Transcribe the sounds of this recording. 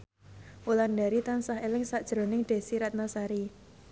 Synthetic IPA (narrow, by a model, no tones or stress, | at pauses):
ʔulandaɾit̪ansaɦelɪŋsad̥ʒ̥ɾo̤nɪŋɖ̥e̤siɾat̪̚nasaɾi